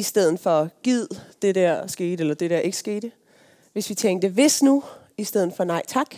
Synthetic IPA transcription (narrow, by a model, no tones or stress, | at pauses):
isd̥eð̰ˠn̩ˠfɒ̽ɡ̥ið̞̰ˠd̥e̝d̥æɐ̰sɡ̥e̝̰ːd̥elɐd̥e̝d̥æɐ̰e̝ɡ̥əsɡ̥e̝̰ːd̥ | ʋe̝sʋit͡sʰeŋɡ̥̚d̥əʋe̝snu | isd̥eð̞̰ˠn̩ˠfɒ̽nɑ̈ɪ̰t͡sʰɑ̈ɡ̥